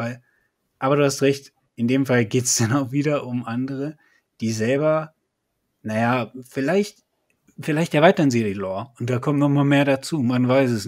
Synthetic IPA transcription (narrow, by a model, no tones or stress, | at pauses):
al | ʔaːbɐɾuːhastʁɛçt | ʔɪndeːmfalɡeːtsd̥anaʊxv̥iːdɐʔʊmʔandəʁə | d̥iːzɛlbɐ | najafɪlaɪçt | fɪlaɪçtɛɐaɪtɐnzeʁilɔɐʊnt̚d̥aːkʰɔmtnɔɪmameːɐɾat͡suːmanvaɪs̬ɛsn